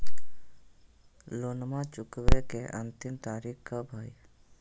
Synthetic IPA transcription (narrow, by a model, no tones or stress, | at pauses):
lonmãːt͡ʃʊkʋekeːʔənt̪ɪmt̪aːɾikkaːbʱaːj